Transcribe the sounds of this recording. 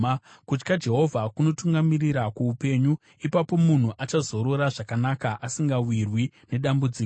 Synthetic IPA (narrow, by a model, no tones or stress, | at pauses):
kut͡ʃkad͡ʒe̞ɦo̞vʱakuno̞tuŋɡamiriɾakuupe̞ːɲu | ipapo̞mun̤uʔat͡ʃazo̞ɾo̞ɾaʐakanakaʔasiŋɡawirwine̞ɗambud͡ziː